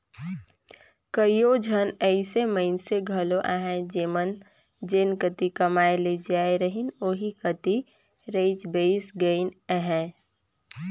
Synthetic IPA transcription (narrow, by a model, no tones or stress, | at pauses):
kəijod͡ʒʱənəɪseməɪnseɡʱɐloʔaɦɛ̃d͡ʒeːmən | d͡ʒenkət̪ikəmaːeled͡ʒaːeɾəɦɪnoːɦikət̪i | ɾeɪd͡ʒbeɪsɡəɪnəɦɛ̃